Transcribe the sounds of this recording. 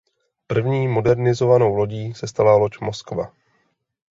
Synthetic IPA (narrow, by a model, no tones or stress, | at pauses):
pr̩vɲiːmo̞dɛɾnɪzo̞vano̞wlo̞ɟiːsɛst̪alalo̞cmo̞skva